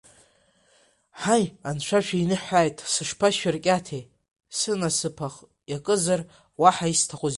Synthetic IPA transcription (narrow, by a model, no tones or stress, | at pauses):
ħajanʃʷʰaʃʷᶣainɨħʷaːjtʼsɨʂpʰaʃarkʲʼatʰej | sɨnasɨpʰaχ | jakʼɨzar | waħaistʰaχʷuz